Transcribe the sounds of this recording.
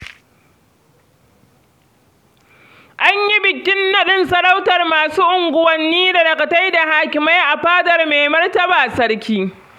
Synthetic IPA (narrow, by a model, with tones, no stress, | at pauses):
ʔa˦ɲji˦bɪ˨kʲːɪ˦nːɐ˨ɗɪ˦nsɐ˨ɽa˦wtɐ˨rmaː˨suː˦ʔʊ˨ŋɡʷʊ˦wɐ˨nːiː˦da˨ɽɐ˨kɐ˨ta˦jda˨haː˦kʲɪ˨ma˦jʔa˨ɸaː˦dɐ˨rmeː˨mɐ˦rtɐ˦baː˨sɐ˦ɽkʲiː˦